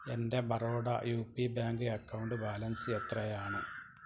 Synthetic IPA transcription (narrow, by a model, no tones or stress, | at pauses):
ende̞bɐroːɽɐ̰juːpːibaːŋɡɨɐkːɐwɳɖɨbaːlɐnsɨet̪rɐjaːɳɨ